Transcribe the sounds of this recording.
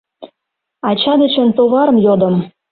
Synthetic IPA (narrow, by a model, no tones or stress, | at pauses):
ɑt͡ɕɑd̪ə̆t͡ɕə̆nt̪oɣɑɾɤ̆mjod̪ə̆m